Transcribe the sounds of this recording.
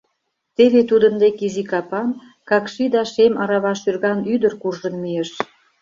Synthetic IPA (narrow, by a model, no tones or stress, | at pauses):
t̪eβet̪ud̪əmd̪ekizikɑpɑn | kɑkʃid̪ɑʃemɑɾɑβɑʃyrɣɑnyd̪ərkurʒənmijeʃ